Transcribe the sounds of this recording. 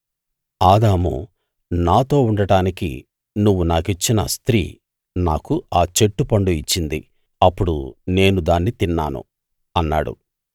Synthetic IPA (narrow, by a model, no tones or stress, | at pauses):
aːd̪aːmṵ | naːt̪o̞ːuɳɖɐɽaːnikḭ | nuʋːunaːkit͡ʃːinɐ̰st̪ɾḭː | naːkuaːt͡ʃe̞ʈːupɐɳɖuit͡ʃːind̪ḭ | ɐpːuɽṵne̞ːnud̪aːnːit̪inːa̰ːnṵ | ɐnːa̰ːɽṵ